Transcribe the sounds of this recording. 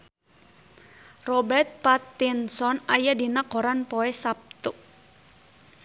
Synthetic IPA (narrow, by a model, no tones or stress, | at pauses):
rɔbɛrt̪̚pat̪ːinsɔnajadinakɔɾanpɔɛsap̚t̪u